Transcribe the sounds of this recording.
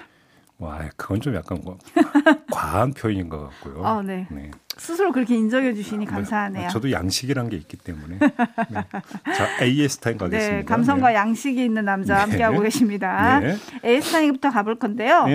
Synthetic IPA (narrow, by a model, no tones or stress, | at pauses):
mʌa̰jkɯɡʌnt͡ɕomja̰k͈an | kwanpʰjoiɲinɡʌka̰k̚k͈o̰joʌne̞ne̞̰sʰɯsʰɯɾokɯɾʌkʰe̞ind͡ʑʌŋjʌd͡ʑuɕʰiɲikamsʰaɦanejat͡ɕʌdoja̰ŋɕʰiɡiɾanɡe̞ik͈i̥t͈e̞mune̞nt͡ɕaeiesʰɯ̥tʰainkaɡneskams̬ʰʌŋɡwajaŋɕʰiɡiːnːɯnːamd͡ʑahamk͈e̞ɦaɡoɡe̞ɕʰimɲidaeeesʰɯ̥tʰaiŋbutʰʌkabɯɭk͈ʌnde̞jo